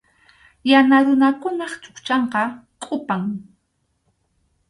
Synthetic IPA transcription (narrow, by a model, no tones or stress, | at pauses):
janaɾʊnakʊnɑχt͡ʃʼʊ̥kt͡ʃɑɴqɑkʼʊpaŋ